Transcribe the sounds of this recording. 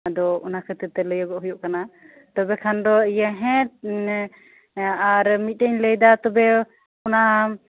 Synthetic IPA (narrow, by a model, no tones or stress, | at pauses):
d̪ɔunakʰət̪ət̪ɛləjɔɡɔʔɦujɔʔkana | t̪ɔbɛkʰand̪ɔijaɦɛ̃t̪ | aɾmit̪̚təɲləjd̪at̪ɔbɛ | ɔnaʔa